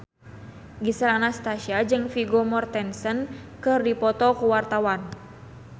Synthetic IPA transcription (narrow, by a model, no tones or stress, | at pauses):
ɡisəlanast̪aʃiad͡ʒɨŋfiɡɔmɔrt̪ɛnsənkɨrdipɔt̪ɔkuwart̪awan